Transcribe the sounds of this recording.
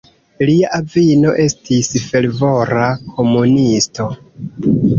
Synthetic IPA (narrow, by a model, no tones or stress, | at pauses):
liaʔavino̞ʔe̞stisfe̞lvo̞ɾakʰo̞munisto̞